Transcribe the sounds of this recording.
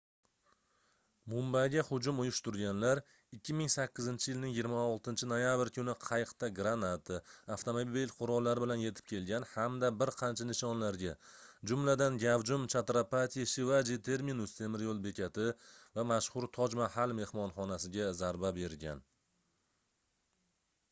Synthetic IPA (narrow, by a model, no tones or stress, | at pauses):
mʊmbajɡʲahʊd͡ʒʊmʊjʊʃt̪ʊɾɡʲanlaɾ | ɪkʲʰːɪmɪŋsakʲːɪzɪnt͡ʃʰɪjɪlnɪŋjɪɡʲɪɾmaɒlˠt̪ɪnt͡ʃʰɪno̞jabɪɾkʰʲʊnɪqʰɑjqt̪aɡɾanat̪ʰɪaft̪ʰomobbilqʰʊɾɒlˠːaɾɪbɪlanje̞t̪ʰɪp̚kʰʲe̞lɡʲanhamd̪abɪɾqʰɑnt͡ʃʰanɪʃɒnlaɾɡʲad͡ʒʊmlad̪anɡʲavd͡ʒʊmt͡ʃʰat̪ɾapat̪ʲʰiʃɪvad͡ʒit̪ʰe̞ɾminʊst̪ʰe̞mɪɾjolˠbe̞kʲʰat̪ʰɪvamaʃhʊɾt̪ʰɒd͡ʒmahalme̞hmɒnχɒnasɪɡʲazaɾbabe̞ɾɡʲa̰n